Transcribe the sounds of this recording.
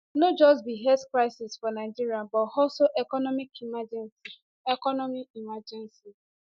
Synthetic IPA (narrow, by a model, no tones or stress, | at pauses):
nod͡ʒɔsbiɦeskɾaɪsisfɔnaɪd͡ʒiɾiabɔhɔsoʔekɔnɔmikʰimad͡ʒɛnsi | ekɔnɔmiimad͡ʒɛnsi